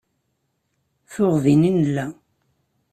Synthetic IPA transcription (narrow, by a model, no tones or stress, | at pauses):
θʊʁðininəlːæ